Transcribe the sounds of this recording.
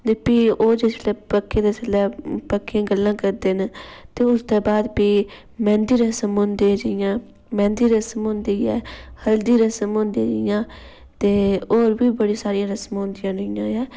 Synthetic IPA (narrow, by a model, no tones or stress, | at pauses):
d̪epiːoːd͡ʒeslɛːpəkːeːd̪aːsəlːɛːpəkːejãːɡəlːãːkəɾd̪eːnt̪eːʊsd̪eːbaːd̪biː | mɛ̃ːnd̪iːɾəsəmɦõnd̪id͡ʒɪjãː | mɛ̃ːnd̪iːɾəsəmɦʊ̃nd̪iːɛ̰ːhəld̪iːɾəsəmõːnd̪ĩd͡ʒɪjãː | t̪eːoːɾbiːbəɽiːsaːɾijãːɾəsmɦõːnd̪ɪjãːnʊjãːɛː